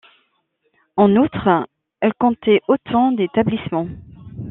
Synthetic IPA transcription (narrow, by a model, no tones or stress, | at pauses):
ɑ̃nut̪χ | ɛlkɔ̃t̪ɛʔot̪ʰɑ̃d̪et̪ablismɑ̃